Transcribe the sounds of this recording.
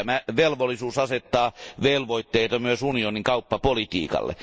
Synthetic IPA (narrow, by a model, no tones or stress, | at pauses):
æmæʋelʋolːˑisuːsɑset̪ːɑːʋelʋoit̪ːeit̪ɑmyøsunioniŋkɑupːɑpolit̪ḭːkɑ̰lːḛ